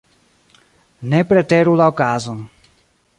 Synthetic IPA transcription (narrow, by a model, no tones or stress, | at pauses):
nɛpɾɛt̪ɛɾulaɔkaːzɔn